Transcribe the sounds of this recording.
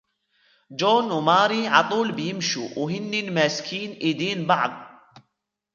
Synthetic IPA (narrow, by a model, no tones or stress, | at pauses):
d͡ʒoːnwmɑːɾiʕɑt̪ˤuːlbɪjɪmʃṵwɦɪnːinmaːskʰiːnʔid̪iːnbɑʕðˤ